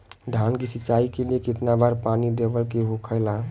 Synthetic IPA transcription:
d̪ʱankisit͡ʃaikeliekit̪nabaɾpanid̪ebəlkeɦokʰəɪla

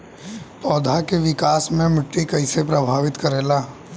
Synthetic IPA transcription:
pɔːd̪ʱakeʋɪkaːsmẽmɪʈːikɐɪsepɾɐbʱaːʋɪt̪kɐɾeːlaː

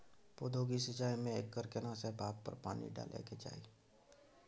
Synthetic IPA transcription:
poːd̪ʱoːɡisɪt͡ʃaːimẽeːkːəɾkenasebʱaːppːə̰ɾpaːnḭɖa̰ːlʔḛked͡ʒa̰ːiː

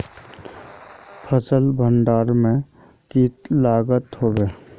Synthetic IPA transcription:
pʰəsəlbʱəɳɖaːɾmẽ | kiːt̪laːɡət̪ɦoːbeː

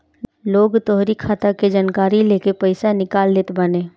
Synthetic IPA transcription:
loːɡt̪ɔɦɾikʰaːt̪aked͡ʒaːnkaːɾileːkepəɪsanɪkaːlːeːt̪bənẽː

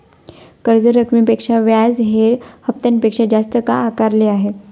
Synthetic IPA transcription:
kəɾd͡zəɾəkmipekʂaʋjad͡zɦeɽhəp̚t̪anpekʂad͡ʑast̪əkaːkaɾleaɦe

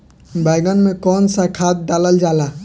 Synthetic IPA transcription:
bajɡənmekɔnsakʰat̪̚daləld͡ʒala

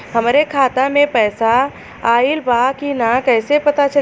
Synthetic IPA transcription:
ɦɐmɾekʰaːt̪amẽpɛːsa | aːɪlbaːkinakɛːsepɐt̪at͡ʃɐ

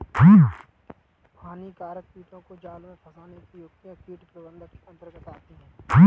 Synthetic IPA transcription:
pʰaːnikaːɾək̚piːʈ̪õkod͡ʒaːlmẽpʰəsaːnekijoːkt̪jãkiːʈpɾəbə̃nd̪ʱəkiə̃nt̪əɾɡət̪aːt̪iɦɛ̃ː

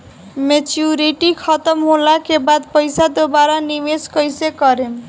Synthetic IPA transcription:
met͡ʃuɾiʈikʰʌt̪ʌmɦolakebad̪pʌjsad̪obaɾanimeskʌjsekʌɾem

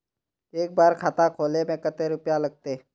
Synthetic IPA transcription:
eːk̚baːɾkʰaːt̪akʰoːlemẽkɐt̪eɾʊpjalɐɡ̚t̪e

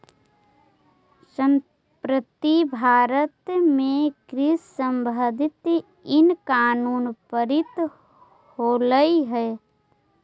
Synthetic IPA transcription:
səm | pɾət̪ibʱaːɾət̪mẽkɾɪssəmbʱəd̪ʱɪt̪ | ɪnkaːnuːnpəɾɪt̪ | hoːləiɦɛː

